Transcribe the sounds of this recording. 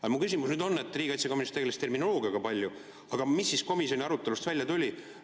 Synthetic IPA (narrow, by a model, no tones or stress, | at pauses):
ɑjmukys̬ʲimusnyːd̪o̞nːet̪ːˑriːɡɑjt̪sekominist̪eemist̪ːe̞rmino̞lo̞ːɡiɑɡ̥ɑpɑlʲju | ɑɡ̥ɑmisːisko̞misjo̞nʲiɑɾut̪ˑːe̞lust̪vælʲjɑt̪ulʲi